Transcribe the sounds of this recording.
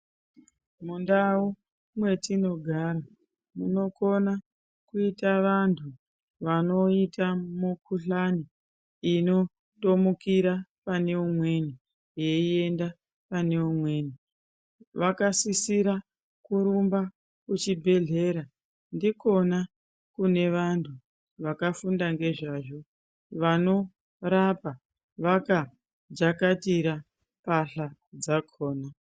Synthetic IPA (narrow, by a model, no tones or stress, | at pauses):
mundau | mwe̞tino̞ɡʱaːɾa | muno̞ko̞na | kuitaʋantʰu | ʋano̞itamukuɬani | ino̞ | to̞mukiɾapane̞umwe̞ni | jeie̞nda | pane̞umwe̞ːni | ʋakasisiɾa | kuɾumba | kut͡ʃibʱe̞ɮe̞ɾa | ndiko̞na | kune̞ʋantʰu | ʋakafundaŋɡe̞ʐaːʐo̞ | ʋano̞ | ɾapa | ʋaka | d͡ʒakatiɾa | paɬad͡zakʰoːna